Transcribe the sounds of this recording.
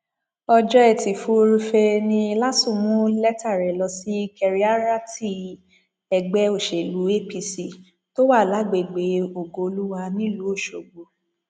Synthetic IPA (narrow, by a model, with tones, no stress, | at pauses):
ɔ˧d͡ʒɔ˦ɛ˦˨ti˨fu˦ɾi˧fe˧nĩ˧la˦tũ˦˨mũ˦lɛ˦ta˦˨ɾɛ˨lɔ˧si˦kɛ˧ɾi˦a˦ɾa˦ti˦˨ | ɛ˧ɡ͡bɛ˦o˦˨ʃe˨lu˨˦e˦pi˧si˦˨ | to˦wa˦˨la˨˦ɡ͡be˨ɡ͡be˨˦o˨ɡo˧o˧lu˦wa˧nĩ˦lu˨˦o˦˨ʃo˨ɡ͡bo˨